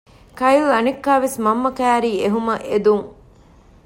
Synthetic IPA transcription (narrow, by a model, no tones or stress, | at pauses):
kɐjlɐnikːaːʋesmɐmːɐkæːɾiːeɦumɐʔed̪uŋ